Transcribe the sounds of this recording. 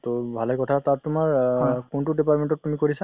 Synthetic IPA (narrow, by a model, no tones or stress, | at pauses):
t̪obʱalekɔtʰatatːʊmaɹkuntudipatmeɳʈɔtːumikoɹisa